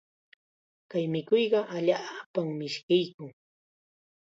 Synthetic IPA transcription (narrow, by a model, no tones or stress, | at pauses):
kajmɪkojɢɑʔaʎaːpammɪʃkɪjkʊŋ